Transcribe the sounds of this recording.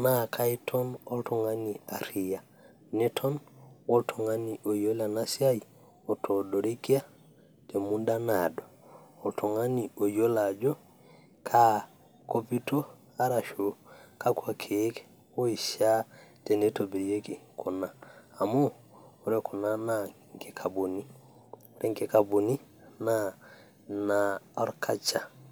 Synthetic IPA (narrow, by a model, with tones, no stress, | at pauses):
nakʰa˦i˦tʰɔ˦no˦ltu˨ŋa˦ni˨a˨ɾi˨ja˨ | ne˦tʰɔ˦nwo˦ltʰu˨ŋa˦ni˨ʔo˨jo˦la˨na˦si˦a˦ji | o˨tʰo˨do˨ɾi˦ki˦a˦ | te˨mu˦nda˦na˨do˨o˨ltu˨ŋa˦ni˨o˨jo˦la˨d͡ʒo˦ | kʰa˦ | ko˦pi˦to˦ | a˦ɾa˨ʃo˨ka˦kwa˨kʰe˨˦k | o˦i˨ʃa˦te˨ne˦to˨bi˨ɾje˦ki˨ko˨naː˦˨moː˦˨ | ɾe˦kʰo˨na˦na˨ | ŋke˦kʰa˨bo˨ni˦ | o˨ɾɛ˦ŋke˦ka˨bu˨ni˦ | na˦ | na˨ɔ˦ɾkʰa˦t͡ʃa˨